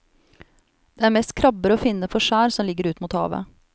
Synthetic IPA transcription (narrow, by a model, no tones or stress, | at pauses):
d̪̥eːæːɾmɛːst̪kʰɾɑbəɾəoːfɪnəfʰɔʃæːɾsɔmlɪɡəɾʉːt̪muːt̪hɑ̰ːʋə̰